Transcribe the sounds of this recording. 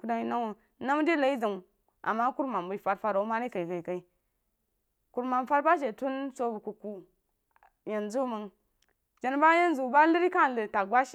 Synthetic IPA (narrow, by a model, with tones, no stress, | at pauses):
ku˦da˦i˦na˦o˨ | na˦m˦di˦la˨i˦za˨ŋ˨ | a̰˨mːa˦ku˦ɾma˨mbu˨˦fa˦ɾfa˦ɾa˨˦ma˦ni˦ka˨i˨ka˨i˨ka˨i˦ | ku˨ɾma˨mfa˦ɾba˦ʃ̬e˨tu˦nso˦bu˨ku˨ku˦ | je˨nzu˦mə˨ŋ | d͡ʒa˨n˦ba˦ja˦n˦zu˨ba˦li˦ɾi˦ka˦˨lə˨ta˨ba˦ʃi˨